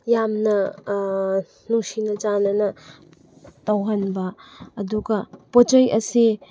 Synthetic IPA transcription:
jamnɐ | nusinɐt͡ʃanɐnɐ | tɐwɦɐnbɐːduɡɐpot͡ʃɐjɐsi

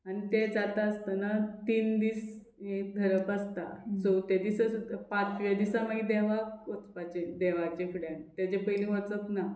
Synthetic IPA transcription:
aɽ̃it̪ed͡zat̪aəst̪anat̪iːnd̪iːs | ek̚d̪ʱəɾəpast̪asɔt̪ed̪isəsupãt͡sʋad̪isamaɡid̪ɛʋakot͡spat͡ɕed̪ɛʋat͡ɕekʰuɽant̪at͡ɕepəjlĩɦət͡sət̪na

